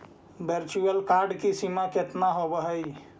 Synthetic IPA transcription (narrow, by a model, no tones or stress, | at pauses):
beɾt͡ʃuəlkaɾɖkisimaket̪naɦobəɦəj